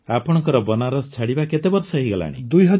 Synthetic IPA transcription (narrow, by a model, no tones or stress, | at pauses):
apɔɽ̃ɔŋkɔɾɔbɔnaɾɔst͡ʃʰaɽibaket̪ebɔɾsɔɦiɡɔla̰ɽ̃ḭd̪ujɦʌ